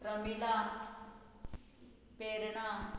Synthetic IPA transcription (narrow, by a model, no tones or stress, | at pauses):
ɾəmila | peɾɳa